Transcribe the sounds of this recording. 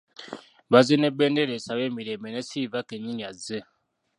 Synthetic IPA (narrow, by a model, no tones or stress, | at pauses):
βazenebendeɾesaβemiɾemenesivakeɲiɲaze